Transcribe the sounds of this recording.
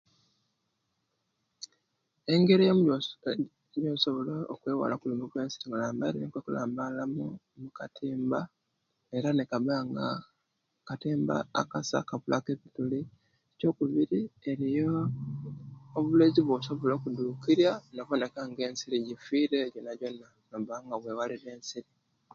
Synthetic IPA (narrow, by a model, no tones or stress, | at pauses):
e̞ŋɡe̞ɾijo | joːso̞βolo̰ːkweːwa̰lakulimuβwe̞ːnsi̥ɾiŋulaːmba̰ɾinekwekula̰ːmbalamu | mukatiːmba | e̞ɾanekaβaŋɡa | katiːmba̰ːkasa̰kaβulakeβituli | eco̞ːkuβiɾie̞ɾijo | βuleziβwoso̞βolokuduːkiɾjanoβone̞kaŋɡe̞ːnsiɾiɟifiːɾeɟonaɟo̞na | noβaŋɡaβweːwaliɾe̞ːnsiɾi